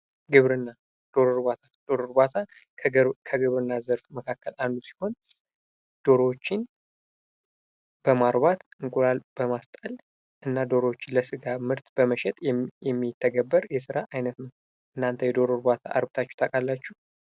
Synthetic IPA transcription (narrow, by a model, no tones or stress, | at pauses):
ɡɨβɾɨnːa | d̪̥o̞ɾoɾbat̪ʰad̪̥o̞ɾoɾbat̪ʰa | kʰəɡɨβɾɨnːazəɾfməkʰakːəland̪usi̥ho̞n | d̪̥o̞ɾot͡ʃːɪn | b̥əmaɾbat̪ɨŋkʼuɾalb̥əmast̪ʼəl | ʔɨnːad̪o̞ɾot͡ʃːɪləsɨɡamɨɾt̪b̥əməʃɛt̪ʼjɛjɛmːit̪ʰːəɡəbːəɾjɛsɨɾaʔajnət̪nəm | ʔɨnːant̪ʰəjɛd̪o̞ɾoɾbat̪ʰa̰ʔa̰ɾbɨt̪ʰat͡ʃːɛ̥t̪ʰəkʼalːat͡ʃːuh